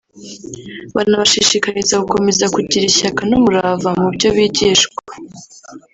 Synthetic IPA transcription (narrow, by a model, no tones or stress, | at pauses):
βa̰inaβaʃiʃikaɾizaɡuko̞me̞zakuɟiɾiçakanumuɾavamubɟo̞βiɟiːʃɡwḁ